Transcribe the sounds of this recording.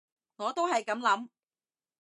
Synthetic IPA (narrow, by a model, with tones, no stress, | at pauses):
ŋɔː˨˧t̪o˥whɐ˨jkɐ˨˧˥mlɐ˨˥m